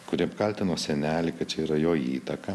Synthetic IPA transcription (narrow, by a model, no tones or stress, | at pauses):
kʊɾʲiːɐpkɐlʲt̪ʲɪnoːsʲɛnʲæːlʲɪkɐt̚t͡ʃʲɛiːɾɐjoːiːt̪ɐkɐ